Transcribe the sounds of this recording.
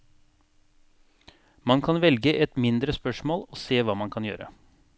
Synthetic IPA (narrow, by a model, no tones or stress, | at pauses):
mɑnkʰɑnʋɛlɡəʔɛt̪mɪnd̪ɾəspœʂmoːloːseːʋɑːmɑnkʰɑnjø̰ːɾə̰